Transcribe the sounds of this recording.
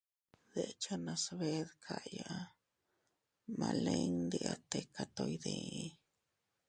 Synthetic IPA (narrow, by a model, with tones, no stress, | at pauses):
d̪e˨t͡ʃa˦na˧sβe˦ðkʰa˧ʔja˧ʔ | ma˧le˧nnd̪i˧a˧t̪e˧ka˧t̪o˧jd̪e˧˦